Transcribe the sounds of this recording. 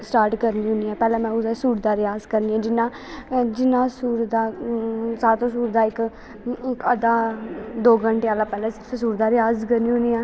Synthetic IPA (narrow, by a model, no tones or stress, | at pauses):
sʈaːɾʈkəɾnĩːɦʊniːɛːpɛːlɛ̃ːmɛ̃ːʊd̪asuːɾd̪aːɾɪjaːzkəɾniːɛ̃ːd͡ʒɪnãː | d͡ʒɪnãːsuːɾd̪aːsaːɾt̪õːsuːɾd̪aːɪk | ɪkəd̪aːd̪oːɡəɳʈeːaːlaːpɛːlɛ̃ː | suːɾd̪aːɾɪjaːzkəɾnĩːɦõniːɛː